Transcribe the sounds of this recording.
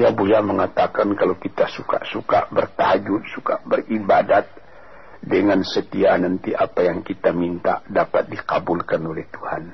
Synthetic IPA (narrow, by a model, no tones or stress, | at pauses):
jabujaməŋat̪akankalokit̪asuka̰ʔsuka̰bərt̪aɦad͡ʒut̪sukabəribadat̪̚ | dəŋansət̪ianant̪iʔa̰pajaŋkit̪amint̪a̰dapat̪̚dikabulkanolɛht̪uhan